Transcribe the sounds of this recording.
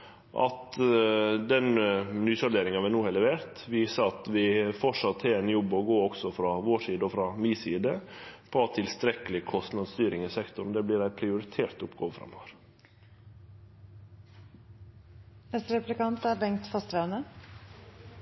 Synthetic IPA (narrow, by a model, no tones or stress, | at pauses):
ʔɑ̰t̪ | d̪ɛnnyːsɔd̪eːɾɪŋɑʋɪnuːhɛlɛʋeːɾt̪ʋɪːsɑɑt̪ʋɪfɔʂɑt̪ʰːɪlɛnjɔbːɔɡoːɔksɔfɾɑːʋoːʂiːd̪əɔfɾɑmiːsiːd̪əpʰɔt̪ʰɪlst̪ɾɛkəlɪkʰɔst̪nɑd̪st̪yːɾɪŋəsɛkt̪ʊɳd̪ɛblɪːɾæɪpʰɾɪʊɾɪt̪ʰeːɾt̪ʊpɡoːʋəfɾɑ̰mːɔʋəɾ | ɛt̪ɾɛplɪkɑnt̪æɾbɛŋt̪fɑst̪ɾænə